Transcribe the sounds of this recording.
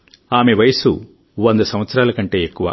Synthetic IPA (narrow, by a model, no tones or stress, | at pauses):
aːme̞ʋɐjɐsṵ | ʋond̪ɐsɐmʋɐt̪sɐɾaːlɐkɐɳʈe̞ːekːuʋa̰